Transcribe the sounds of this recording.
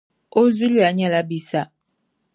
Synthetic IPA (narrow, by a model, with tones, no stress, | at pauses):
o˦zu˦li˦a˨˦ɲɛ˦˨la˦bi˨sa˦˨